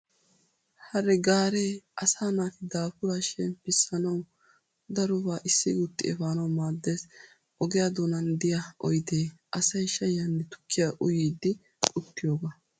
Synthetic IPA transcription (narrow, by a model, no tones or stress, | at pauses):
hɐɾɛɡaːɾeːʔɐsaːnaːt̪ɪd̪aːfʊɾaːʃɛnpɪsːɐnɐw | d̪ɐɾɔbaːʔɪsːɪɡʊt̪ːɪ̰ɛ̰faːnɐwmaːd̪ːeːs | ʔɔɡɛjaːd̪ɔnɐnd̪ɪjɐʔɔjd̪eːʔɐsɐjʃɐjɐnːɛt̪ʊ̥kʰːɪjaʔʊjijd̪ːɪ | ʊt̪ːɪjoːɡa